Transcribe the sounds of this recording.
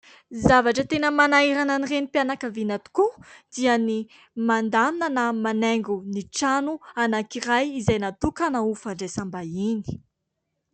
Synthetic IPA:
zavaʈ͡ʂət̪enəmanaiɾananirenipjanakavinat̪u̥kud̪̥iəni | mand̪aminənamaneŋɡuniʈ͡ʂanuanakirajizajnat̪ukanaufaɳɖ͡ʐajsambaini̥

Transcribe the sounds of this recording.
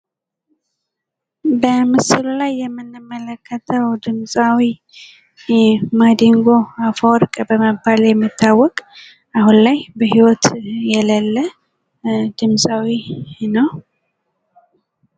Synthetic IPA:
bəmɨsɨlulajːɛmːɨnːɨmːələkːət̪ʰəwd̪ɨmsʼawi | ɛmad̪iŋɡoafoɾkʼəbəməbaljɛmːit̪ʰːawːɔkʼ | ahunlajbəhiwɔt̪jɛləlːə | d̪ɨmsʼawinəw

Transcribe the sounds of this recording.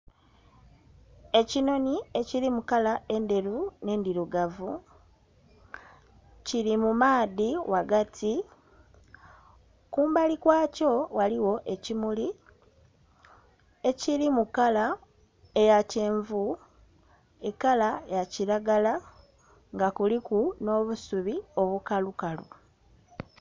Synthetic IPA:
e̞cino̞nie̞ciɾimukalae̞nde̞ɾune̞ndiɾuɡavu | ciɾimumaːðiwaɡatʰi | kuːmbalikwaːco̞waliwo̞ʔe̞cimuli | e̞ciɾimukala | ejace̞ːɱvu | e̞kːalaejaciɾaɡala | ŋɡakulikuno̞ːβusuβio̞βukalukalṵ

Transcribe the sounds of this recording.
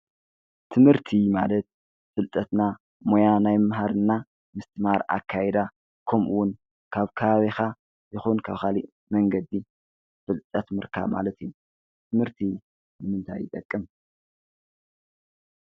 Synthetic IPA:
t̪ʰɨmhɨɾt̪ʰima̰lɐt̪̚ | fɨlt̪ʼɐt̪na | mo̞janajmɨmɦaɾɨnːa | mɨst̪ʰɨmaɾa̰kʰːajɛd̪a | kʰomʔuwʊn | kʰaβkʰɐβaβixa | zɨxunkʰaβxaliʔ | mɐŋɡɐd̪ːi | fɨlt̪ʼɐt̪mɨɾkʰa̰βma̰lɐt̪ʰiju | t̪ʰɨmhɨɾt̪ʰi | nɨmɨnt̪ʰa̰jːɪt̪ʼɐkʼːɨm

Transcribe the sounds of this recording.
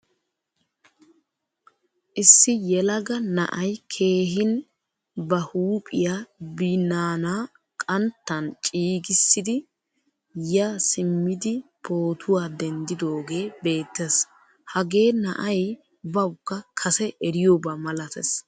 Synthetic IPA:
ʔɪsːɪjɛlɐɡɐnɐ̰ʔɐjkʰe̞ːɦɪn | bɐhuːpʼɪjabɪnaːnaː | kʼɐnt̪ːɐnt͡ʃʼiːɡɪsːɪd̪ɪ | jasɪmːɪd̪ɪpʰo̞ːt̪ʰʊwaːd̪ɛnd̪ɪd̪o̞ːɡe̞ːbe̞ːt̪ːes | hɐɡe̞ːnɐ̰ʔɐj | bɐwʊkːɐkʰɐsɛʔɛɾɪjoːbɐmɐlɐt̪ɛs

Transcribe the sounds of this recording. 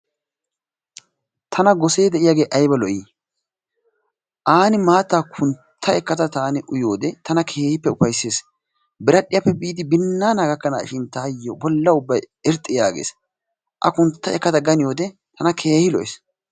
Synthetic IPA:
t̪ʰɐnɐɡɔseːd̪ɛʔɪjaːɡe̞ːʔɐjbɐlɔʔiː | ʔaːnɪmaːt̪ːaːkʰʊntt̪ʰːɐɛkːɐt̪ɐt̪aːnɪʔʊjo̞ːd̪ɛt̪ʰɐnɐkʰe̞ːhɪpːɛʊpɐjsːeːs | bɪɾɐɗːɪjapːɛbiːd̪ɪbɪnːaːnaːɡɐkːɐna̰ːʃɪnt̪aːjːobɔlːɐʊbːɐj | ɛɾt̪ʼːɪjaːɡḛːs | ʔɐ̰kʊnt̪ːɐɛkːɐt̪ɐɡɐnɪjo̞ːd̪ɛt̪ʰɐnɐkʰe̞ːhɪlɔ̰j̰s

